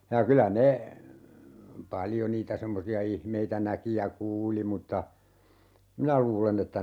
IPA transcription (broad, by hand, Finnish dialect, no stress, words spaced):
jɑ kylæ ne pɑljo niːtæ semːosiɑ ihmeitæ næki jɑ kuːli mutːɑ minæ luːlen etːæ